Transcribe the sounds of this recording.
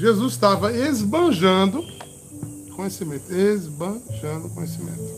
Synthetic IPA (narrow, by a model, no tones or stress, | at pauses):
ʒezuzst̪avɐezbɐ̃ʒɐ̃nd̪ʊ | kõɲesimẽt̪ʊezbɐ̃ʒɐ̃d̪ʊkõɲesimḛ̃t̪ʊ